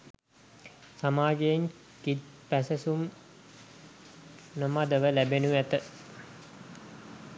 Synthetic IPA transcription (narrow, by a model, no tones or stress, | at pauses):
samaːɡejːŋ | kit̪pæsəsum | nəmad̪əʋəlæbenuʋæt̪ə